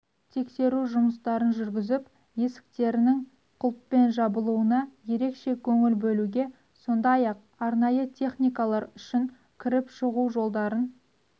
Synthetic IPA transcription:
t̪ʰe̞kse̞ɾuʒʊməst̪ɑɾənʒʏɾɡʲɪzɪp | je̞sɪ̥k̚t̪e̞ɾɪnɪŋ | qʰʊlˠpːe̞nʒɑbəlˠuənɑje̞ɾe̞kʃe̞kʲʰɵŋɪlbɵluɡʲe̞ | so̞nd̪ɑjɑq̚ | ɑɾnɑjət̪ʲʰe̞χnijkalˠɑɾʏʃɪŋ | kʲʰɪɾɪpʃəʁuwʒo̞lˠd̪ɑɾən

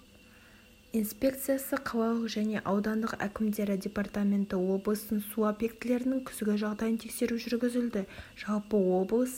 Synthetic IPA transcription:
ijnspʲe̞kt̪sɨjasəqʰɑlˠɑlˠəqʒæne̞ʔɑwd̪ɑnd̪əqæ̰kʲɪmd̪e̞ɾɪd̪ʲe̞part̪amʲe̞nt̪ɪwo̞blˠəsənsuapje̞kt̪ɪle̞ɾɪnɪŋkʲʰʏ̥sɡʲɪʒɑʁd̪ɑjənt̪ʰekse̞ɾuʒʏɾɡʲɪzɪld̪ɪʒ̥ɑlˠpəwo̞blˠəs

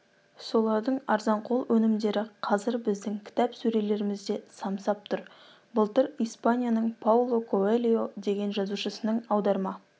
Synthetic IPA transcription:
so̞lˠɑɾd̪əɴɑɾzɑɴqʰo̞lˠwʔɵnɪmd̪e̞ɾɪqʰɑzɪɾbɪzd̪ɪŋkʲʰɪ̥t̪ɑpsɵɾe̞le̞ɾɪmɪzd̪e̞sɑmsɑp̚t̪ʰʊɾ | bʊlˠt̪əɾijspanʲijanəɴpʰawlˠo̞kʰoelʲijo̞d̪e̞ɡʲe̞nʒɑzuʃəsənəɴɑwd̪ɑɾmɑ

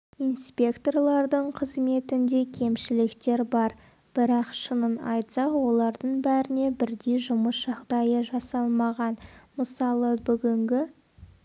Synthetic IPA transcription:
ijnspʲe̞kt̪o̞rlˠɑɾd̪əɴqʰəzme̞t̪ɪnd̪e̞kʲʰe̞mʃɪlɪkt̪e̞ɾbɑɾ | b̥ɪɾɑqʃənənɑjt̪sɑqwo̞lˠɑɾd̪əɴbæɾɪne̞bɪɾd̪e̞jʒʊməsʒ̥ɑʁd̪ɑjəʒɑsɑlˠmɑʁɑnməsɑlˠəbʏɡʲɪŋɡʲɪ

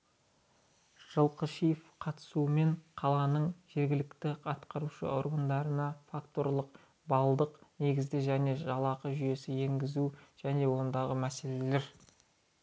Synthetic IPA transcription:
ʒ̥əlˠqəʃijfqʰɑt̪ə̥suəme̞ɴqʰɑlˠɑnəɴʒe̞ɾɡʲɪlɪkt̪ɪɑt̪qɑɾuʃə̰o̞̰ɾɡənd̪ɑɾənɑfakt̪o̞rlˠəq̚ | bɑlˠd̪əqne̞ɡʲɪzd̪ɪʒæne̞ʒɑlˠɑqəʒʏje̞sɪe̞ŋɡʲɪzuʒ̥æne̞wo̞nd̪ɑʁəmæse̞le̞le̞ɾ

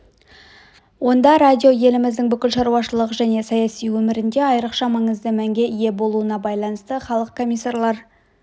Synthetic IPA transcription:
wo̞nd̪ɑɾad̪ʲio̞je̞lɪmɪzd̪ɪŋbʏkʲɪlʃɑɾuɑʃəlˠəqʒæne̞sɑjɑsijwɵmɪɾɪnd̪e̞ɑjɾəqʃɑmɑɴəzd̪əmæŋɡʲe̞ije̞bo̞lˠuənɑbɑjlˠɑnəst̪əχɑlˠəq̚kʰo̞mʲːijsːarlˠɑɾ

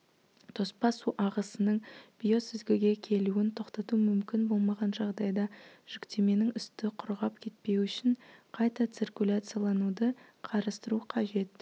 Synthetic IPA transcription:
t̪ʰo̞spɑsuʔɑʁəsənəɴb̥ijo̞sɪzɡʲɪɡʲe̞kʲʰe̞luɪnt̪ʰo̞qt̪ɑt̪umʏmkʲɪnbo̞lˠmɑʁɑnʒɑʁd̪ɑjd̪ɑʒ̥ʏkt̪e̞me̞nɪŋʏst̪ɪqʰʊɾʁɑp̚kʲʰe̞t̪̚pe̞wʏʃɪɴqʰɑjt̪ɑt̪sirkʲulʲat̪sɨjalˠɑnud̪əqʰɑɾɑst̪əɾuqʰɑʒe̞t̪

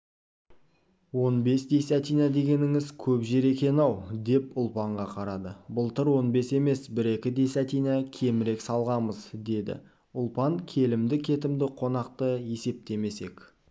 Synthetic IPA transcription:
wo̞nbe̞sd̪e̞sæt̪ijnɑd̪e̞ɡʲe̞nɪŋɪzkʲʰɵpʒe̞ɾe̞kʲe̞nɑwd̪e̞pʊlˠpɑɴʁɑqʰɑɾɑd̪əbʊlˠt̪əɾwo̞nbe̞se̞me̞sbɪɾe̞kʲɪd̪e̞sæt̪ijnɑkʲʰe̞mɪɾe̞ksɑlˠʁɑməzd̪e̞d̪ɪ̰ | ʊlˠpɑŋkʲʰe̞lɪmd̪ɪkʲʰe̞t̪ɪmd̪ɪqʰo̞nɑqt̪əje̞se̞p̚t̪e̞me̞se̞k

